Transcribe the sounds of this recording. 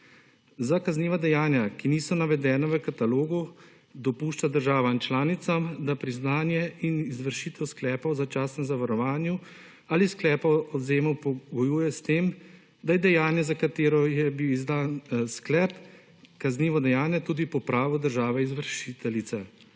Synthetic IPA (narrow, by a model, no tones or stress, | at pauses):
zakazniːʋad̪ɛjaːnjakiniːsɔnaʋɛd̪ɛːnaʋəkat̪aloːɡu | d̪ɔpuːʃt͡ʃad̪əɾʒaːʋant͡ʃlaːnit̪samd̪apɾiznaːnjɛinizʋəɾʃiːt̪ɛwsklɛːpɔwzat͡ʃaːsnɛmzaʋaɾɔʋaːnju | aːlisklɛːpaɔzeːmɔwpɔɡɔjuːjɛst̪eːm | d̪ajɛd̪ɛjaːnjɛzakat̪eːɾɔjɛbiwizd̪aːnsklɛːp | kazniːʋɔd̪ɛjaːnjɛt̪uːd̪ipɔpɾaːʋɔd̪əɾʒaːʋɛizʋəɾʃit̪ɛlit̪sɛ